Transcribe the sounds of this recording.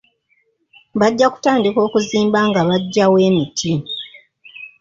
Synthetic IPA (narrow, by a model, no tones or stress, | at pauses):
βaɟːaku̥taːndiko̞ːkuziːmbaŋɡaβaɟːawe̞ːmitʰim